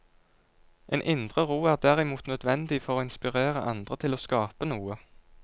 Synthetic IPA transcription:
ʔeːnʔɪnd̪ʁəʁuːæːʁd̪æʁɪmuːt̪nœd̪ʋɛnd̪ɪfɔʁoːɪnspɪʁeːʁəʔɑnd̪ʁət̪ʰɪloːskɑːpənuːə

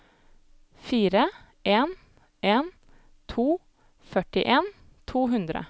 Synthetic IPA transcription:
fiːɾə | ʔeːn | ʔeːn | t̪ʰuː | fœʈɪʔeːn | t̪ʰuːɦʉnd̪ɾə̰

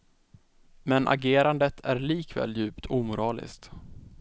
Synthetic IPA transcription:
mɛnʔa̰ɡeːɾand̪ət̪ʰæɾɭiːkvɛ̰ːljʉ̟ːpt̪ʰuːmʊɾɑːlɪ̰skt̪

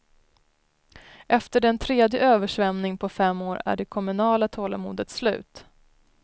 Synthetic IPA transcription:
ʔɛft̪əɖɛnt̪ʰɾeːd̪jəøːvəʂvɛmnɪŋpʰɔfɛmːoːɾæ̰ɖɛkʰɔmɵnɑːlat̪ʰoːla̰mṵːd̪ət̪slʉ̟ːt̪

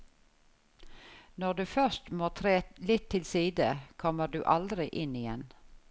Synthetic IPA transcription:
nɔʁd̪ʉːfœʃt̪moːt̪ʰʁeːlɪt̪ʰːɪlsiːd̪əkʰɔməd̪ʉ̰ːʔɑld̪ɾɪʔɪnɪjɛn

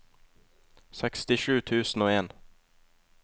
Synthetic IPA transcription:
sɛkst̪ɪʃʉːt̪ʰʉːsn̩oːeːn

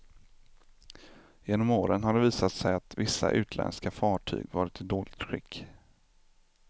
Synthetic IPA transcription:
jeːnɔmoːɾənɦaɖɛviːsat̪sɛjat̪vɪsːa̰ʔʉ̟ːt̪ʰlɛ̰nskafɑːʈʰy̰ːɡvɑːɾɪt̪ʰɪd̪oːlɪɡt̪ɧɪkː

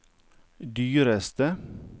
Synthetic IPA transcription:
d̪yːɾəst̪ə

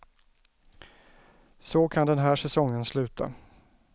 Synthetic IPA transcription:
sɔkʰand̪ɛnɦæːʂɛsɔŋːənslʉ̟ːt̪ʰa̰

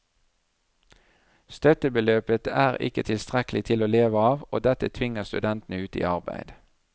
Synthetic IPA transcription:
st̪œt̪əbəløːpət̪æːʁɪ̰kət̪ʰɪlst̪ʁɛkl̩ɪt̪ʰɪloːleːʋəɑːʋo̰ːd̪ɛt̪ət̪ʰʋɪŋəʁst̪ʉd̪ɛnt̪nəʉːt̪ḭːɑʁbæ̰ɪd̪̥

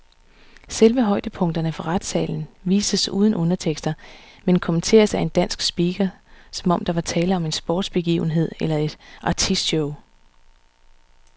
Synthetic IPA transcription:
selʋəɦɒ̽ɪ̰d̥əpʰɔ̽ŋ̰d̥ɐnəfɒ̽ʁad̥sɛ̰ːln̩ʋḭːsəsṵːð̞ˠn̩ʔɔ̽nɐt͡sʰeɡ̥sd̥ɐ | menkʰomənt͡sʰe̝̰ːɐsæe̝nd̥æn̰sɡ̥sb̥iːɡ̥ɐsɒ̽mɒ̽md̥ɑ̈ʋɑ̈t͡sʰɛːləɒ̽me̝nsb̥ɔ̰ːd̥sb̥e̝ɡ̥ḭːʊn̩ɦe̝ð̞̰ˠelɐe̝d̥ʔɑ̈t͡sʰisɕɔʊ

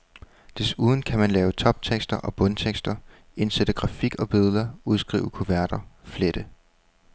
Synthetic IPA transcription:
d̥e̝suːð̞ˠn̩kʰæmænlɛːʊt͡sʰɒ̽b̥̚t͡sʰeɡ̥sd̥ɐʔɒ̽b̥ɔ̽nt͡sʰeɡ̥sd̥ɐ | e̝nsed̥əɡ̥ʁɑ̈fiɡ̥ɒ̽b̥e̝ðˠð̩ˠɐuð̞ˠsɡ̥ʁḭːʊəkʰoʋæɐɾ̥ɐfleɾ̥ə

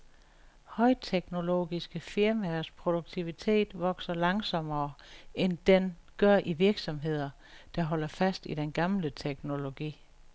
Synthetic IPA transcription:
hɒ̽ɪt͡sʰeɡ̥no̝lo̝̰̥ːisɡ̥əfiɐmæspʰʁo̝d̥uɡ̥̚t͡sʰiʋit͡sʰe̝̰ːd̥ʋɒ̽ɡ̥sɐlɑ̈ŋsɒ̽mɐːʔend̥en | ɡ̥ɶɐ̰ʔiʋiɐɡ̥sɒ̽mɦe̝ð̞̰ˠɐ | d̥ɑ̈ɦɒ̽l̰ɐfæsd̥id̥enɡ̥ɑ̈mlət͡sʰeɡ̥no̝lo̝ɡ̥ḭː

